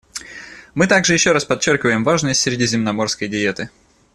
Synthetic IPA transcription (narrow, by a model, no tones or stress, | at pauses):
mɨt̪aɡʐɨjɪɕːo̞ɾaspɐt͡ɕːorkʲɪvəjɪmvaʐnəsʲtʲsʲɾʲɪdʲizʲɪmnɐmo̞rskəjdʲɪet̪ɨ